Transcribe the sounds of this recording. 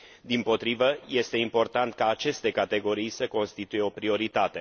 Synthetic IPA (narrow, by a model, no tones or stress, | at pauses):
d̪impo̞t̪ɾivəje̞st̪e̞impo̞rt̪ant̪̚kaːt͡ʃe̞st̪e̞kat̪e̞ɡo̞ɾijsəko̞nst̪it̪uje̞o̞pɾio̞ɾit̪at̪e̞